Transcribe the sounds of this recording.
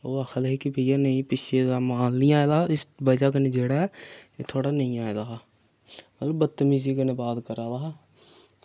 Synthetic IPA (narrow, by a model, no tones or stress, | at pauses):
oːakʰəlɦeːkɪbʱeijaːnəĩːpɪʃeːd̪aːmãːlnĩːaːed̪aːɪsbəd͡ʒaːk̬ənẽːd͡ʒeːɽaːɛːeːt̪ʰoːɽaːnəĩːaːed̪aː | mət̪ləbːət̪ːmiːziːkəneːbaːt̪kəɾaːd̪aː